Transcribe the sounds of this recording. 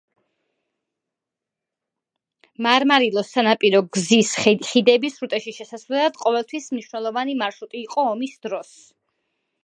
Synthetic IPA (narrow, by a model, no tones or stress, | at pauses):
maɾmaɾilˠɔsːanapʼiɾɔɡzisχid̪ɛbisɾut̪ʼɛʃiʃɛsasvlɛlˠad̪̥qʼɔvɛlˠt̪ʰwismniʃwnɛlˠɔvanimaɾʃut̪ʼiːqʼɔːmisd̪̥ɾɔs